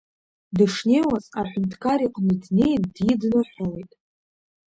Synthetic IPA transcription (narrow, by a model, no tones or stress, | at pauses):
dɨʂne̞jwat͡sʼaħʷᶣʊntʰkʰaɾiqʼnɨdne̞jdjidnɨħʷawejtʼ